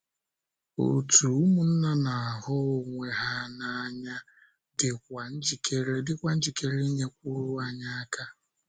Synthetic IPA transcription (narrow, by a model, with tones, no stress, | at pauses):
o̰˨tu˨u˦mu˨n̩˦na˦na˨a˨hʊ˦o˨ŋʷe˨ɦa˦na˨a˦ɲa˦ | dɪ˨kʷa˨n̩˦d͡ʒi˨kʰe˦ɾe˦dɪ˦kʷa˨n̩˦d͡ʒi˨ke˦ɾe˦ɲe˦k̚ʷu˦ɾʊ˦a˦˨ɲa˦a˦ka˦